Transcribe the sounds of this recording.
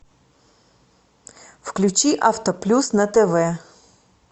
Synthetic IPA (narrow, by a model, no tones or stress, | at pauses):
fklʲʉt͡ɕiʔaft̪əplʲusnɐt̪ɛvɛ